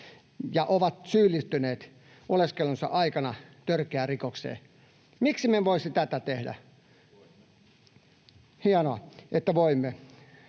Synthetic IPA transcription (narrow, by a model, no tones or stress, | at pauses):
jɑʔoʋɑt̪syːlːist̪yneːt̪ | oleskelunsɑ̰ʔɑikɑnɑt̪ørkeærikoksḛː | miksimeʋoisit̪æt̪æt̪ehdæ̰ | hiɑnoɑʔet̪ːæʋoimːe